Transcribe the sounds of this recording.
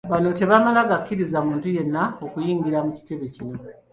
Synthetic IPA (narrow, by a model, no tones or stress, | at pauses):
βano̞te̞βamalaɡakːiɾizamuːntuje̞nːao̞kujiːŋɡiɾamuci̥te̞βe̞cino̞